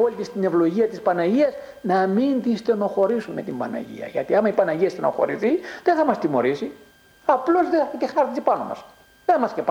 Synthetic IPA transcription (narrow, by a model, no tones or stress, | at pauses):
olit̪ist̪ine̞vlo̞ʝiɐt̪ispɐnɐʝiɐz | nɐmint̪ist̪eno̞xo̞ɾisumme̞t̪imbɐnɐ̰ʝḭɐ̰ʝɐ̰t̪iɐmɐipɐnɐʝiɐst̪enoxo̞̰ɾḭθiðeθɐmɐst̪imo̞ɾisi | ɐplo̞zðeɐk̪exɐɾizipɐno̞̰mɐ̰s | ðemɐscep